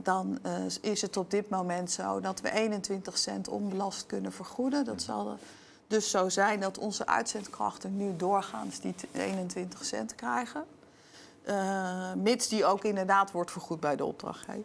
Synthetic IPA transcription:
dɑnɪsətɔb̚dɪtmowmɛntso̰wdɑtʋə̰ʔejnəntʋɪntəχsɛ̰ntʰɔ̰nbəlɑstkɵnənvəɹχudəndɑtsɑ̰lˠ | dɵsːowzɛjndɑtɔ̰nzə̰ʔœ̰ɥtsɛntkrɑ̰χtənnydʊːɹχa̰ːnsdiḛjnəntʋɪntəχsɛ̰ntkrɛjχə | mɪtsdiowkɪndəɹdaːtʋɔɹtfəɹχut̚bɛjdəɔ̰b̚drɑ̰χtɦɛ̰

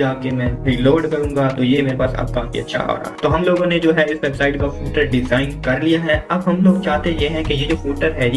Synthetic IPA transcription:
aːkemɛ̃ːɾiloːɾɖkɐɾũːŋɡat̪ojemeːɾepaːsa̰ːb̚kãkḭɐ̰tːʃʰa̰ɦo̰ːɾa̰ːɦt̪oːɦɐmloːɡõned͡ʒoːɦɛɪsʋeːbsaːɪʈkafjuːʈəɾɖɪzaːɪnkɐɾlijaɦɛɐbɦɐmloːɡ̚t͡ʃaːɦt̪ejeɦɛ̃kejed͡ʒoːfjuːʈəɾɦɛj

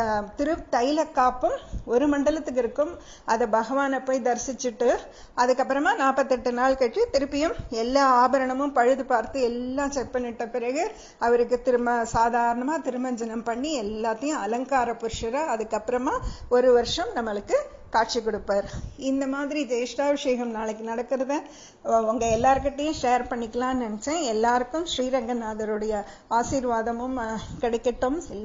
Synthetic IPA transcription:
t̪ɪɾɯt̪ɐjlɐkːaːpːɯmɔɾɯmɐɳɖɐlɐt̪ːɯk̬ːɪɾɯkːɯm | ɐðɐbɐɣɐʋaːnɐpːoːjd̪ɐɾsɪt͡ʃːɯʈːɯ | ɐðɯkːɐpːɪɾɐmaːnaːpɐt̪ːɛʈːɯnaːɭkɐʈːɯt̪ɪɾɯpːɪjɯmɛlːaːaːbɐɾɐɳɐmɯ̃mpɐɻɯðɯpaːɾt̪ɯɛlːãːt͡ʃɛʈ̚pɐɳːɪʈːɐpɪɾɐɣɯ | ɐʋɐɾɯkːɯt̪ɪɾɯmɐsaːðʱaːɾɐɳɐmaːt̪ɪɾɯmɐɲd͡ʒɐnɐmpɐɳːiɛlːaːt̪ːɐjʊ̃ɐlɐŋkaːɾɐpʊɾʂɐɾɐɐðɯkːɐpːɪɾɐmaːɔɾɯʋɐɾʂɐmnɐmːɐɭɯkːɯ | kaːʈ̚t͡ʃikɔɽɯpːaːɾɪnd̪ɐmaːðɪɾid͡ʒeːʂʈaːʋɪʂeːɣɐmnaːɭɐkːɯnɐɽɐkːɯɾɐðɯ̃ | ʋɐŋɡɐɛlːaːɾɯk̬ɪʈːɐjʊ̃ʂeːɐɾpɐɳːɪkːɐlãːnɐnɛt͡ʃːẽːɛlːaːɾɯkːɯmʃɾiːɾɐŋɡɐnaːðɐɾɯɽɐjɐ | aːʃiːɾʋaːðɐmɯmkɐɽɛkːɐʈːɯmɛlː

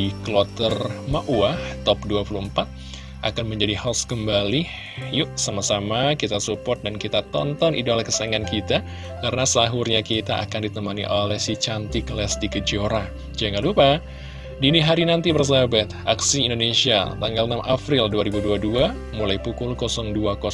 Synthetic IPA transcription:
ikəlɔt̪ərmaʔuaht̪ɔp̚duapuluəmpat̪̚ | ʔakanməɲd͡ʒadihaskəmbali | juʔsamasamakit̪asupɔrt̪̚dankit̪at̪ɔ̰nt̪ɔnʔḭdalahkəsaŋankit̪a | karənasəaɦurɲakit̪aʔa̰kandit̪əmanḭʔolɛhsit͡ʃant̪ikəlɛsdikəd͡ʒoɾa | d͡ʒaŋalupa | diniɦaɾinant̪ibərs̬abat̪aksiːndonesia̰t̪aŋɡalnamʔapɾilduaɾibuduadua | mulajpukʊlkosɔŋduakɔ

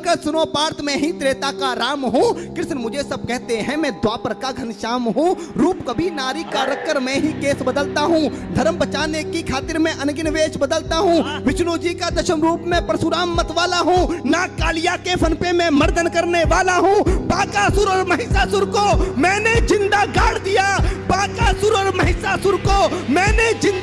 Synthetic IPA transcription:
kəɾsʊnopaːɾt̪mẽɦit̪ɾeːt̪akaɾaːmɦũkɾɪʃnmʊd͡ʒʱesɐb̚kɛɦt̪eɦɛ̃mɛ̃ːd̪waːpəɾkaɡʱɐnʃaːmɦũɾuːpkɐbʱinaːɾikaːɾəkːəɾmɛ̃ɦikeːsbɐd̪əlt̪aɦũd̪ʱɐɾəmbɐt͡ʃaːnekːikʰaːt̪ɪɾmẽʔɐnɡɪnʋeːʃbɐd̪əlt̪aɦũʋɪt͡ʃnoːd͡ʒikad̪ɐʃəmɾuːpmẽpɾɐsʊɾaːmːɐt̪ʋaːlaɦũnakaːlɪjakepʰɐnpẽmẽmɐɾd̪ʱənkɐɾneʋaːlaɦũːbaːkasʊɾɔːɾmɐɦɪsasʊɾkomɛ̃ːned͡ʒɪ̃nd̪aɡaːɽd̪ijaːbaːkasʊɾɔːɾmɐɦɪsasʊɾkomɛ̃ːned͡ʒɪ̃n

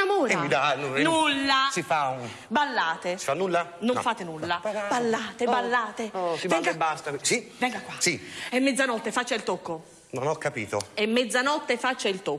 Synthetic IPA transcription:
amoːɾɛmmid̪annulːasifa | balːaːt̪esi̥fanːulːanoɱfaːt̪enulːabalːaːt̪ebalːaːt̪evɛŋɡabast̪asivɛŋɡakːwasiemːɛd̪zːanɔt̪ːefat͡ʃːailt̪okːo | nonɔkːapiːt̪oemːɛd̪zːanɔt̪ːefat͡ʃːailt̪o

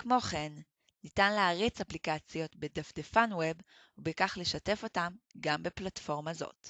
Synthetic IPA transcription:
kmo̞χe̞nː | itanleaʁit͡saplikat͡sjo̞tbedafdefanweb | ubekaχle̞ʃate̞fo̞tamɡambe̞platfo̞ʁmazo̞̰t

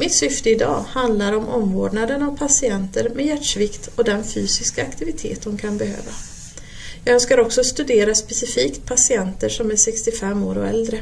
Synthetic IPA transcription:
mɪt̪sʏft̪əɪd̪ɑ̰ːhand̪laɾɔmʔɔ̰mvoːɖɳad̪əɳavpʰasɪɛnt̪əɾmɛjæʈʂvɪkt̪ɔd̪ɛnfyːsɪskaːkt̪ʰɪvɪt̪ʰḛːt̪̚d̪ɔmkʰanbɛhø̰ːva | jɑːɡœnskaɾɔksɔst̪ɵd̪eːɾaspɛsɪfiːkt̪̚pʰasɪɛnt̪əʂɔmæʂɛkst̪ɪfɛmːoːɾɔɛ̰ld̪ɾə

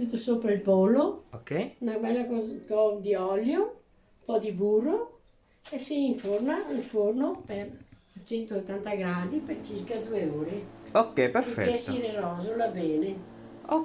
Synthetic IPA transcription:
t̪ut̪ːosopɾailpɔːlookɛjunabɛlːakɔkɔd̪iɔljo | umpɔd̪ibuːrːo | esiiɱfornaiɱfornoper | t͡ʃɛnt̪oot̪ːant̪aɡɾaːd̪ipert͡ʃirkad̪uːeoːɾeokːɛpeɾikɛɛsiɾerɔːzolabɛːne | o

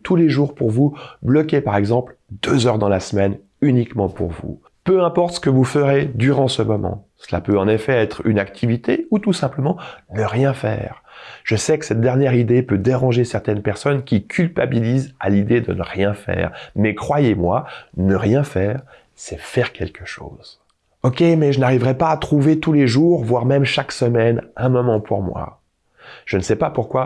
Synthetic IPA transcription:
t̪uleʒuʁpuʁvublɔkʲepaʁɛɡzɑ̃pld̪øzœʁd̪ɑ̃lasmɛn | ynikmɑ̃pṵʁvṵ | pøɛ̃pɔʁt̪sə̥kəvufəʁed̪yʁɑ̃səmɔmɑ̰̃səla̰pøɑ̃nefɛɛt̪χy̰nakt̪ʰivit̪eut̪usɛ̃pləmɑ̃nəʁjɛ̃fɛ̰ːʁ | ʒ̥əsɛkə̥sɛt̪̚d̪ɛʁnjɛʁid̪epød̪eʁɑ̃ʒesɛʁt̪ɛnpɛʁsɔnkʲikʲʰylpabiliza̰lid̪ed̪ənəʁjɛ̃fɛ̰ːʁmɛkχwajemwa̰nəʁjɛ̃fɛːʁ | sɛfɛʁkʲɛlkəʃo̰ːz̥ | ɔkʲemɛʒənaʁivʁɛpaːt̪χuvet̪uleʒuʁvwaʁmɛmʃaksəmɛnɛ̃mɔmɑ̃pʰuʁmwa̰ | ʒ̥ənəsɛpapuʁkwa

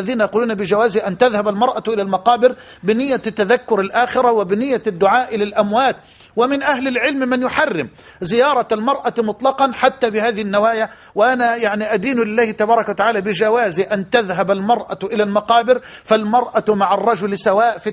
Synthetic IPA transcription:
ðiːnajɑquːluːnabɪd͡ʒawaːziʔant̪aðhabalmɑɾˤʔaʔɪlalmɑqɑːbɪɾ | bɪnɪjːat̪ːaðakːʊɾalʔaːxɪɾawɪbɪnɪjːad̪ːʊʕaːʔɪlalʔamwaːt̪̚ | wɪmɪnʔahlɪlʕɪlmmɪnjʊħarːɪm | zɪjɑːɾˤɑalmɑɾˤʔɑmʊt̪ˤlɑqɑnħat̪ːabɪhaːðɪhɪnːawaːja | wɪʔanajaʕniʔad̪iːnlɪlːaːhɪt̪ɑbɑːɾˤɑkwat̪aʕaːlabɪd͡ʒawaːziʔant̪aðɦabalmɑɾˤʔaʔɪlalmɑqɑːbɪɾfalmɑɾˤʔamaʕɑrˤːɑd͡ʒʊlsawaːʔfi

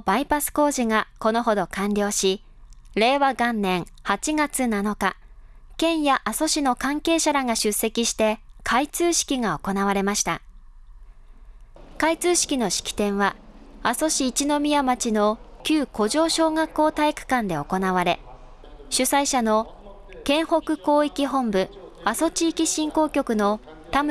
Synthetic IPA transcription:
b̥aipasɨ̥ko̞ːʑiŋako̞no̞ɦo̞d̪o̞kãnɾʲjo̞ːɕi | ɾe̞ːβaɡãnːẽ̞ɰ̃ | hat͡ɕiɡat͡sɨnano̞ka | kẽ̞ɰ̃jaʔaso̞ɕino̞kãŋke̞ːɕaɾaŋaɕɨsːe̞kʲiɕi̥t̪e̞kʰait͡sɨːɕi̥kʲiɡao̞ko̞naβ̞aɾe̞maɕi̥t̪a̰ | kait͡sɨːɕi̥kʲino̞ɕi̥kʲi̥t̪ẽ̞ɰ̃βa | aso̞ɕiːt͡ɕino̞mʲijamat͡ɕino̞kʲɨːko̞ʑo̞ːɕo̞ːŋakːo̞ːt̪aikɯ̟̥kãnd̪e̞o̞ko̞naβ̞aɾe̞ | ɕɨsaiɕano̞ | kẽ̞ɰ̃ho̞kɯ̟ko̞ːikʲiɦõ̞mbɯ̟aso̞t͡ɕiːkʲiɕĩŋko̞ːkʲo̞kɯ̟no̞ | t̪am

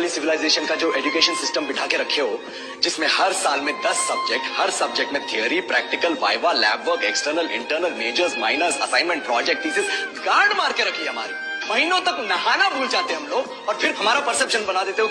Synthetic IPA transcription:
lisɪʋɪlaːɪzeːʃənkad͡ʒoːʔeːɖjukeːʃənsɪsʈəmbɪʈʰaːkeɾɐkʰeɦoː | d͡ʒɪsmẽhɐɾsaːlmẽd̪ɐsːɐb̚d͡ʒek̚ʈhɐɾsɐb̚d͡ʒek̚ʈmẽt̪ʰiəɾipɾɛːk̚ʈɪkəlʋa̰ːɪʋalɛːbʋəɾkeksʈəɾnəlɪ̰̃ɳʈəɾnəlmeːd͡ʒəɾsma̰ːɪnəɾsɐsãːɪnmɛ̃ɳʈ̚pɾɔːd͡ʒɛk̚ʈ̚piːsezɡaːɾɖmaːɾkeɾɐkʰiɛɦɐma̰ːɾi | mɐɦiːnõt̪ɐknɐɦaːnabʱuːld͡ʒaːt̪eeɦɐmloːɡ | ɔːɾfʰɪɾɦɐmaːɾapɐɾsɛpʃənbɐnaːd̪eːt̪eɦo

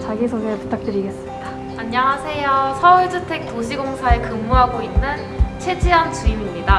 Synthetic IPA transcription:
t͡ɕaɡisʰoɡepu̥tʰak̚t͈ɯɾiɡe̞s͈ɯmɲid̥a | aɲːaŋasʰe̞josʰʌuɭd͡ʑɯtʰe̞k̚toɕ̬ʰiɡoŋsʰaekɯmːuɦaɡoinːɯn | t͡ɕʰe̞d͡ʑiɦant͡ɕuimimɲida

